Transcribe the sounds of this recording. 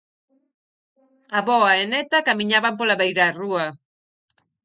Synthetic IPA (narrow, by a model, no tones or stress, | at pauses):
aβɔaenɛt̪akamiɲaβamp̬olaβejɾarua